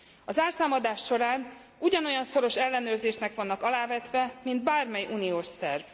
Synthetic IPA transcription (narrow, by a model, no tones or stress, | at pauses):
ɒzaːrsaːmɒd̪aːʃːo̞ɾaːn | uɟɒno̞jɒnso̞ɾo̞ʃɛlːɛnøːrzeːʃnɛkʋɒnːɒkɒlaːvɛt̪ʋɛmind̪̚baːrmɛjunioːʃsɛ̰rv